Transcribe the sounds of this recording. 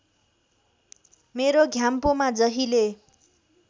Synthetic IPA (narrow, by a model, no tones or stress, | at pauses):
meɾoɡʱjampomad͡zʌɦile